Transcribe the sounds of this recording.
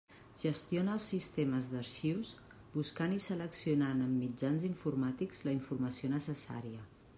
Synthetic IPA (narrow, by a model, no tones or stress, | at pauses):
ʒəst̪ionəːlˠsːist̪eməzd̪əɾʃiws | buskanisələksiunanəmːid͡ʒanziɱfurmat̪ikz̥ləiɱfurməsionəsəsa̰ɾiə